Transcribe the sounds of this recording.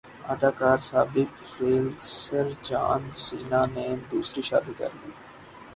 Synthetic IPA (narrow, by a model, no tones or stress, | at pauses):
ad̪aːkaːɾsaːbɪk | ɾeːlsəɾd͡ʒa̰ːnsiːnaːneːd̪uːsɾiːʃa̰ːd̪iːkɐ̰ɾliː